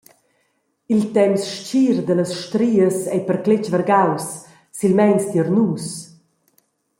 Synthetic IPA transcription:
ilt̪ɛmsʃt͡ʃiːɾd̪ələsʃt̪ɾiːəsɛjpəɾklet͡ʃvəɾɡawsː | ilmɛjnsd̪iəɾnuːs

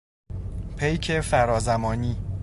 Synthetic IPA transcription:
pʰejcʰefæɾɒːzæmɒːniː

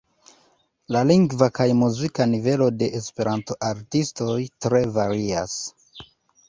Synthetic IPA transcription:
laliŋɡvakajmuzikanive̞lo̞de̞ʔːspe̞ɾʔanto̞ʔaɾtisto̞jtɾe̞vaɾia̰s

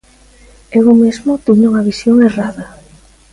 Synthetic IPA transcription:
eɣomezmʊt̪iɲuŋɐβisjoŋeraðɐ

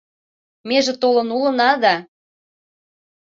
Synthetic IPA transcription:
meʒĕt̪olɤ̆nulɤ̆nɑd̪ɑ

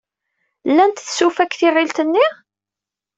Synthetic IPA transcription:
lːænt̪θsufækːθiʁilt̪ənːi

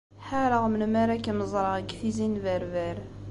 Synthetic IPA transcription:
ħaɾəʁmənmæɾækəməzˤɾˤəʁəɡθizinvæɾvæɾ

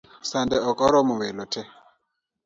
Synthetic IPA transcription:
sandɛɔkʼɔɾɔmʊwɛlɔtʰɛ

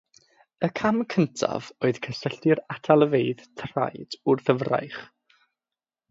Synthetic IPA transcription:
əkʰamkʰəntʰa̰voɨð̥kʰəsəɬdɪɾatʰalˠəvejðtʰra̰jd̥ʊrθəvra̰jχ

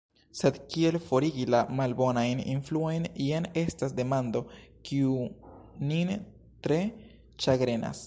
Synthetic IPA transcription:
se̞d̪kie̞lfo̞ɾiɡilamalbo̞najnḭnfluojniane̞stasde̞mand̪o̞kiunin | tɾe̞ | t͡ʃaɡɾe̞na̰s

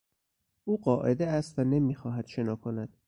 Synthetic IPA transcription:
ʔuːɢɒːʔe̞d̪eæst̪vænemiːxɒːɦæd̪̥ʃe̞nɒːkʰonæd̪̥

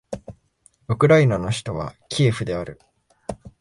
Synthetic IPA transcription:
ɯ̟kɯ̟ɾainano̞çi̥t̪o̞β̞a̰kʲʰiːɸɯ̟d̪e̞aɾɯ̟

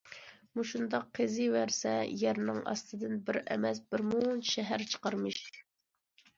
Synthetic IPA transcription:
muʃund̪ɑqʰːezɪwæɾsɛjɛɾnɪŋɑ̰st̪ʰɨd̪ɨnbɪɾɛ̰mɛsbɪɾmunʃɛɦæɾt͡ʃʰə̥qɑɾmɨʃ

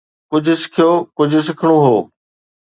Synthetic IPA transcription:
kʊd͡ʑʱʊ̆sɪ̥kʰijoːkʊd͡ʑʱʊ̆s̬ɪkʰəɽ̃oɦoː

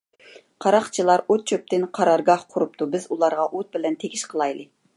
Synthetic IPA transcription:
qʰɑɾɑχt͡ʃʰilˠɑɾot̪̚t͡ʃʰøp̚t̪ɪnqʰɑɾɑɾɡɑhqʰʊɾupt̪ʰubɪzulˠɑɾʁɑʔot̪̚bɪlɛnt̪ʰeɡʲiʃqʰəlˠɑjlˠɨ

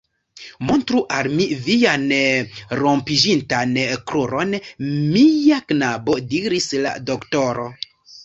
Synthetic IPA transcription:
montɾuʔalmivijan | ɾo̞mpid͡ʒintankɾuɾo̞nmijaknabo̞diɾisla̰doktoɾo

